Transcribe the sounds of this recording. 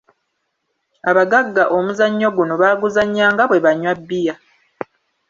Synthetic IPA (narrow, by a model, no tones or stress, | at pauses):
aβaɡaɡːaʔomuzaɲːoɡuno̞βaːɡuzaɲːaːŋɡaβwe̞βaɲːwabːija